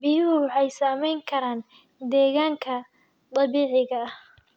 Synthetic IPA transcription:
bɪjʊɦʊwɑħɑjsaːmɛjŋkʰɐɾaːn | d̪ɛːɣaːŋkʰɐ | d̪ɐlβiːʕɪɣɐh

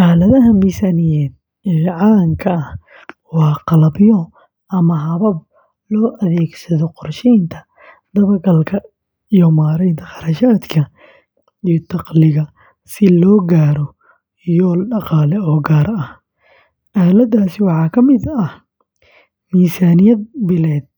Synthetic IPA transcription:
ʔaːlɐðɐɦɐmiːsaːnɪjɛːd̪̚ | ɛʕɑŋkʰɐɐh | wɑːqɑlɐbjɔ | ʔɐmɐɦɐβɐb̚ | lɔːʔɐðɛːɡsɐðɔqɔrʃɛːnt̪ʰɐ̥ | d̪ɐβɐrɡɐlkʰɐ | ijɔmaːɾɛjd̪ʰɐxɑɾɐʃaːd̪kʰɐ | ijɔt̪ʰɑqlɪɣɐ | sɪlɔːɡaːɾɔ | jɔːlɖɑqɑːlɛɔːɡaːɾɐh | ʔaːlɐd̪aːsɪwɑħɑːkʰɐmɪd̪ɐh | miːsaːnɪjɐd̪̚bɪlɛːd̪̚

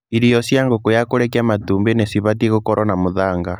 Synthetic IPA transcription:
iɾijɔsjaŋɡokojakoɾɛkiamatuːmbenesiβatieɣokɔɾɔnamoðaːŋɡa

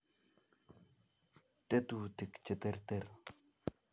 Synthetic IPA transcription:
t̪et̪ut̪əkt͡ɕət̪ert̪er

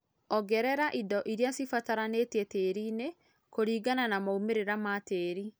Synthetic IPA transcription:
ɔɡɛɾɛɾaʔidɔʔiɾiasifataɾanetɛteːɾiːne | koɾiːɡananamaumeɾeɾamateːɾi

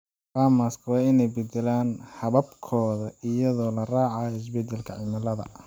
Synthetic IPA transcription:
faːmaːskʰɐwɑːɪnɛjbɛd̪ɛlaːnhɐβɐbkʰɔːðɐɪjɐðɔːlɐraːʕɑɪs̬bɛd̪ɛlkʰɐʕɪmɐlɐðɐ̰

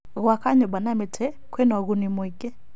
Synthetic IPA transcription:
ɣwakaɲɔbanamɛtʰɛ | kwɛnaɣunimwɛkʼɛ

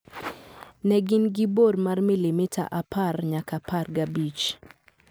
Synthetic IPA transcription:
nɛɡɪnɡɪbormarmilimitʰa̰ʔaparɲakaparɡabit͡ʃ

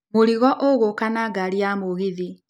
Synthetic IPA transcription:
moɾiɣɔʔoɣokanaɡaɾiamoɣiði

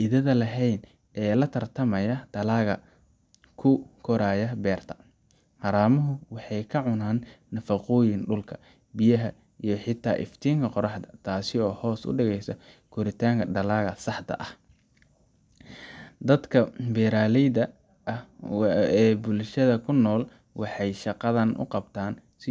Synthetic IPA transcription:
ʔɪðɐðɐlɐɦɛjn | ʔɛːlɐt̪ʰɐrt̪ʰɐmɐjɐd̪̥ɐlaːɣɐ | kʰʊkʰɔɾaːjɐbɛːrt̪ʰɐ̥ | ħɑɾaːmɐɦʊwɑħɑjkʰɐʕʊnaːnːɐfɐqʊːjɪnɖʊlkʰɐ̥ | bɪjɐɦɐ | ijɞħɪt̪ʰa̰ːʔɪ̰ft̪ʰiːŋkʰɐqɔɾɑħd̪ɐt̪ʰaːsɪɔːhɔːsʊ̰ɖɛɣɛjsɐ | kʰʊɾɪt̪ʰaːŋkʰɐɖɐlaːɣɐsɑħt̪ʰɐ̰ʔɐh | d̪ɐd̪kʰɐbɛːɾaːlɛjðɐ | ɐh | ɛːbʊlʃɐðɐkʰʊnːɔːl | wɑħɑjʃɑqɑðɐnʔʊ̰qɑbt̪ʰaːnsɪ

